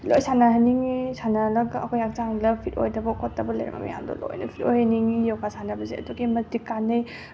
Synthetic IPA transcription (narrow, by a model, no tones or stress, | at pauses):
lojsanaɦɐniŋisanalɐɡɐkʰojak̚t͡ʃaŋlɐpʰito̰jdɐbɐkʰɔtːɐbɐlɐ̰jɾɐ̰mɐ̰mḭja̰mdɐ̰lo̰jnɐpʰitojhɐniŋijɔwkʰasanɐbɐzeɐdoɡimɐtikːanɐj